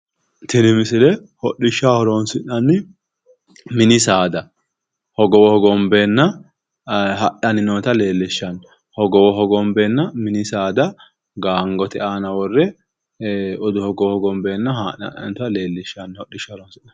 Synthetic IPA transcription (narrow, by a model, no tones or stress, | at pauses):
t̪ɪnɪmɪsɪlɛhɔɗɪʃːahɔɾoːnsɪnːɐnːɪ | mɪnɪsaːd̪ɐ | hɔɡɔwɔhɔɡɔmbeːnːɐ | ɦɐʔɐnɪnoːt̪ɐle̞ːlːɪʃːɐn | hɔɡɔwɔɦɔɡɔmbeːnːɐmɪnɪsaːd̪ɐ | ɡaːŋɡɔt̪ɛaːnɐwɔrːɛ | ɔd̪ʊhɔɡɔwɔhɔɡɔmbeːnːɐhaʔɐ̰ʔɐ̰nt̪ʊɐle̞ːlːɪʃːɐnːhɔɗːɪʃːɐhɔɾoɔnsɪnːɐn